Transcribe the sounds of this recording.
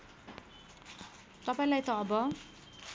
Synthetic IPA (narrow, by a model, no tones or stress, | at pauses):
t̪ʌpaĩlajt̪ʌːbʌ